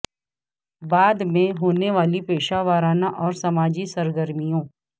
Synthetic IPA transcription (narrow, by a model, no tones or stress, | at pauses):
baːd̪mẽɦoːneʋaːlipeːʃaʋaːɾaːnaʔɔːɾsɐmaːd͡ʒisəɾɡəɾmijõː